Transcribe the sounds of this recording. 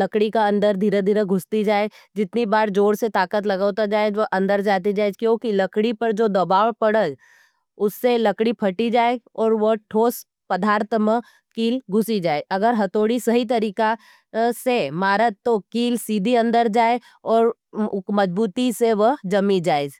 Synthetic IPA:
lɐkɽikaɐ̃nd̪əɾd̪ʱiːɾed̪ʱiːɾeɡʱʊst̪id͡ʒaːe | d͡ʒɪt̪nibaːɾd͡ʒoːɽset̪aːkət̪̬lɐɡaːʊt̪ad͡ʒaːed͡ʒʋəʔɐ̃nd̪əɾd͡ʒaːt̪̬id͡ʒaːed͡ʒkjõːkilɐkɽipɐɾd͡ʒoːd̪ɐbaːʋpɐɽə | ʊsːelɐkɽipʰɐʈid͡ʒaːeɔːɾʋəʈʰoːs | pɐd̪ʱaːɾt̪ʰəmə̃ | kiːlɡʱʊsid͡ʒaːeɐɡəɾɦɐt̪oːɽisɐɦit̪̬ɐɾiːka | semaːɾət̪ːokiːlsiːd̪ʱiɐ̃nd̪əɾd͡ʒaːe | ɔːɾ | mɐd͡ʒbuːt̪iseʋəɦd͡ʒɐmid͡ʒaːeːd͡ʒ

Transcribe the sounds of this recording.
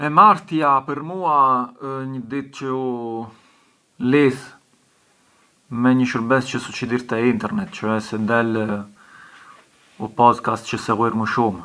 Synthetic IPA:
ɛmaɾt̪japəɾmuaəɲəd̪it̪̚t͡ʃəu | liθ | mɛɲəʃəɾbɛst͡ʃəsut͡ʃid̪iɾt̪ɛint̪ɛɾnɛt̪t͡ʃɔɛsɛnd̪ɛl | upɔzkast̪t͡ʃəsɛɣiɾməʃum

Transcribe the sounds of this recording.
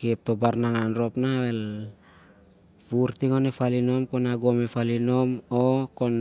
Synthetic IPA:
kep̚to̞baɾnaŋanɾo̞pnawel | puɾtiŋo̞nefalino̞mkonaɡomefalino̞mokon

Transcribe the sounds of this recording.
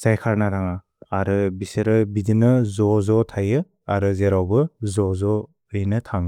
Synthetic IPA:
z̥ajkʰaɾnaɾaŋaː | ɾɯbiseɾɯbidɯnɯzɔzɔtʰajɯ | aɾɯzeɾawbɯzɔzɔ | ɯjnɯtʰaŋɯ

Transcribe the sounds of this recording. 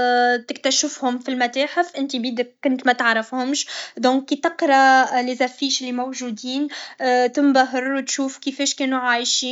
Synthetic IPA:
t̪ɪk̚t̪æʃɪfhʊmfilmæt̪aːħɪfʔɪnt̪ibiːd̪ɪk̚ːʊnt̪mæt̪aʕɾafhʊmʃd̪ɔ̃ːkːit̪ɪqɾˤɑlɪzæfːiːʃlːimowʒuːd̪iːnt̪ɪmbaɦɪɾˤwt̪ʃuːfkifɛːʃkɛːnuʕaːjʃi

